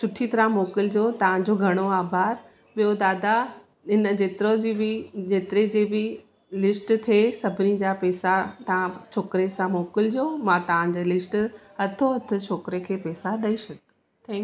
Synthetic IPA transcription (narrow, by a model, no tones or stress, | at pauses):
sʊʈʰit̪ɐɾãmoːkɪld͡ʑoːt̪ɐʋ̤ãd͡ʑoːɡʱɐɽ̃oaːbʱaːɾ | ɓijod̪aːd̪a | ɪnəd͡ʑeːt̪ɪɾod͡ʑibɪd͡ʑeːt̪ɪɾed͡ʑeːbɪ | lɪsʈt̪ʰesɐbʱɪnid͡ʑapɛːsat̪ɐʋãt͡ɕʰoːkɾesãmoːkɪld͡ʑoːmãt̪ɐʋ̤ãd͡ʑeːlɪsʈɦɐt̪ʰoɦɐt̪ʰʊ̆t͡ɕʰoːkɪɾekʰeːpɛːsaɗɐiʃɐɡ̪ | t̪ʰɛ̃ːŋk